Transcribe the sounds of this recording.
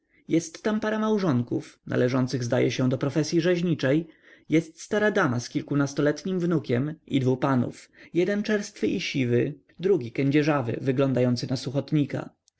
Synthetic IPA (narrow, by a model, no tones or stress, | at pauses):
jɛst̪ːampaɾamawʐɔŋkufnʔa̰lɛʐɔnt̪sɘɣzd̪ajɛɕɛ̃d̪ɔpɾɔfɛsʲjiʐɛʑɲit͡ʂɛj | jɛst̪st̪aɾad̪amaskʲilkunast̪ɔlɛt̪ɲimvnukʲɛmḭd̪vupanṵfjɛd̪ɛnt͡ʂɛɾst̪fɘʔiɕivɘ | d̪ɾuɡʲikɛɲd͡ʑɛʐavɘ̰vɘɡlɔnd̪ajɔnt̪sɘnasuxɔt̪ɲika̰